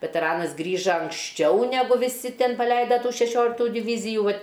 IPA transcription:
ʋʲɛtʲɛˈrɑːnɐs ˈɡrʲiːʒɐ ɐŋksʲˈt͡ʃʲɛʊ nʲɛˈɡʊ ʋʲɪˈsʲɪ ˈtʲɛn pɐˈlʲɛɪdɐ ʃʲɛˈʃʲoːlʲɪktuː dʲɪʋʲiːzʲɪjuː ˈʋɐtʲ

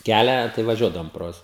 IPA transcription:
ˈkʲælʲæː tɐɪ ʋɐˈʒʲuɔdɐʋoːm proː ˈjuɔs

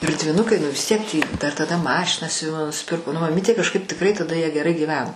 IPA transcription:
ɪr dʲʋʲɪˈnʊkɐɪ nʊ ʋʲɪs ˈtʲiɛk tʲiː ˈdɐr tɐˈdɐ ˈmɑːʃʲɪnɑː sʲʊˈʋʲɪmoː nʊsʲɪˈpʲɪrkoː nʊ mɐˈmʲiːtʲeː kɐʃˈkɐɪp tʲɪkˈrɐɪ tɐˈdɐ jiɛ ɡʲɛˈrɐɪ ɡʲiːˈʋʲæːnoː

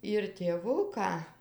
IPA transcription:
ɪr tʲeːˈʋʊkɑː

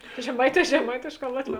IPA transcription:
ʒʲɛˈmɐɪˌtʲɛː ʒʲɛˈmɐɪtʲeːʃˌkɑː ˈlˠɑːtʲˌʋʲɛː

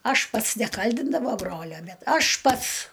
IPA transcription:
ˈɐʃ ˈpɐts nʲɛˈkɐlʲdʲɪndɐʋoː ˈbroːlʲoː ˈbʲɛt ˈɐʃ ˈpɐts

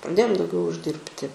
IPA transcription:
prɐˈdʲeːjoːm dɐʊˈɡʲɛʊ ʊʒʲˈdʲɪrʲpʲtʲɪ

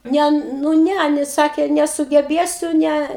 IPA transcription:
ˈnʲɛ nʊ ˈnʲɛ ɪˈnɐɪ ˈsɑːkʲeː nʲɛsʊɡʲɛˈbʲeːsʲʊ ˈnʲɛ

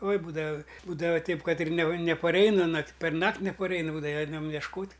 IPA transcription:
oːɪ ˈbuːdɐʋɐ ˈbuːdɐʋɐ ˈtʲɛɪp ˈkɐt ɪr nʲɛ nʲɛpɐˈrʲɛɪnɐ nɐkʲ pʲɛrˈnɐktʲ nʲɛpɐˈrʲɛɪnɐ ˈbuːdɐʋɐ ˈɛɪnɐm jɛʃˈkoːtʲ

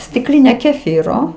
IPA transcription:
sʲtʲɪkˈlʲɪnʲɛ kʲɛˈfʲiːroː

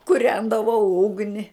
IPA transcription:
kʊˈrʲɛndɐʋɐʊ ˈʊɡnʲɪ

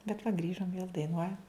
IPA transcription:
bʲɛt ʋɐ ˈɡrʲiːʒoːm ʋʲeːlˠ dɐɪˈnuɔjɛm

